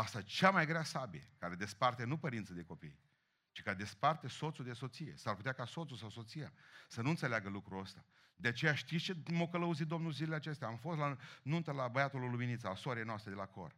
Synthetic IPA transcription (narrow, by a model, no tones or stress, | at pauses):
ast̪at͡ʃamajɡɾeasabiḛkaɾed̪e̞spart̪enupəɾint̪səd̪e̞ko̞pḭj | t͡ʃi̥kaed̪e̞spart̪e̞so̞t̪sud̪e̞so̞t̪sije̞̰sarput̪ʲakaso̞t̪susawso̞t̪sija̰sənuɨnt̪seleaɡəlukɾuəst̪a | d̪eat͡ʃe̞jaʃt̪itst͡ʃemokələuzit̪̚d̪o̞mnulzileleat͡ʃe̞st̪eaːmfost̪lanunt̪əlabəjat̪oluluminit̪salasooaɾejnoast̪ɾed̪e̞lako̞̰r